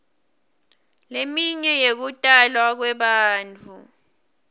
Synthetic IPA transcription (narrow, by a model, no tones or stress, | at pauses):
lemiɲɛjek̬utʼalwak̬wɛɓaːnt͡fʰu